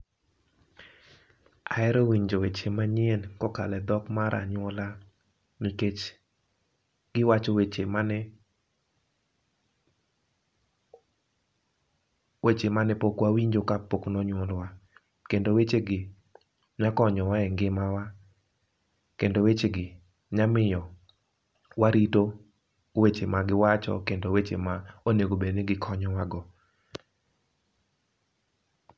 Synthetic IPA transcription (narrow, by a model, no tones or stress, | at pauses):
aɛɾɔwiɲd͡ʒowet͡ʃemaɲjenkɔkalɛd̪ɔkmaɾʔa̰ɲwɔla | miket͡ʃ | ɡ̥ɪwat͡ʃowet͡ʃemn | wet͡ʃemanɛpokwawiɲd͡ʒokapoknɔɲwɔlwa | kendowet͡ʃeɡɪ | ɲakɔɲɔwaɛŋɡɪmawa | kendowet͡ʃeɡɪ | ɲamɪjɔ | waɾito | wet͡ʃemaɡɪwat͡ʃɔ̰kendowet͡ʃḛmaoneɡobenɛɡɪkʰɔɲɔwaɡɔ